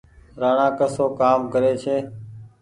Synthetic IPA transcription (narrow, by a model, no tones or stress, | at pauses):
ɾaːɳãːkəsoːkaːmkəɾeːt͡ʃʰeː